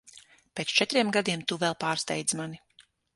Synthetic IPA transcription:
peːt̪st͡ʃɛt̪ɾiɛmɡad̪iɛmt̪uvɛlˠpaːɾst̪ɛjd̪zmani

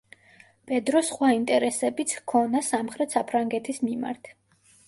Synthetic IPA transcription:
bʼɛd̪ɾɔsχwaint̪ʼɛɾɛsɛbit̪sʰkʰɔnasamχɾɛt̪sapʰɾaŋɡɛt̪ʰismima̰ɾt̪ʰ

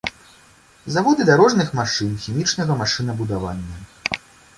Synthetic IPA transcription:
zavɔd̪ɨd̪aɾɔʐnɨxmaʂɨnxʲimʲit͡ʂnɐɣɐmaʂɨnɐbud̪ava̰nʲːɐ

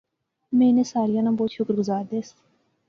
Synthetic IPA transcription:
menesɑːɾijɑnɐmboːt̪ʃʰukɾɡʊzɑːɾd̪est̪

